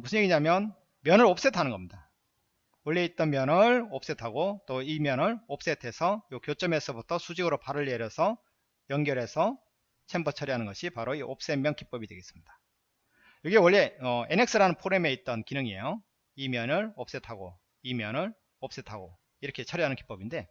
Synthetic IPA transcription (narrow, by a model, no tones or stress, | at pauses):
musʰɯnɲjeɡiɲamjʌn | mjʌnɯɾop̚s͈e̞tʰanɯnɡʌmɲida | wʌɭːe̞it̚t͈ʌnmjʌnɯɭop̚s͈e̞tʰaɡot͈oimjʌnɯɭop̚s͈e̞tʰe̞sʰʌjokjot͡ɕ͈ʌme̞sʰʌbutʰʌsʰud͡ʑiɡɯɾopaɾɯʎːeɾjʌsʰʌ | jʌŋɡjʌɾe̞sʰʌ | t͡ɕʰembʌt͡ɕʰʌɾiɦanɯnɡʌɕʰipaɾoiʔop̚s͈emːjʌnkip͈ʌbidwe̞ɡes͈ɯmɲid̥ḁ | jʌɡiwʌɭːe̞ʌene̞k̚s͈ɯɾanɯnpʰoɾe̞me̞it̚t͈ʌnkinɯŋie̞̰jo | imjʌnɯɭop̚s͈e̞tʰaɡo | imjʌnɯɭ | op̚s͈e̞tʰaɡo | iɾʌkʰe̞t͡ɕʰʌɾiɦanɯnkip͈ʌbinde̞